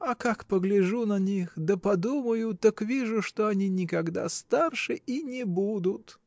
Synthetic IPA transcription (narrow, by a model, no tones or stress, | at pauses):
ɐkakpəɡlʲɪʐunɐnʲixd̪əpɐd̪uməjʊt̪akvʲiʐʊʂt̪oɐnʲinʲɪkɐɡd̪a̰st̪arʂɨʔinʲɪbud̪ʊt̪